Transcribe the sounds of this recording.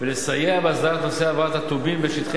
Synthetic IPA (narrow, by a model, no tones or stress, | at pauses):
velesajeabeazd̪aʁat̪noseavat̪hat̪ubimbeʃit̪χe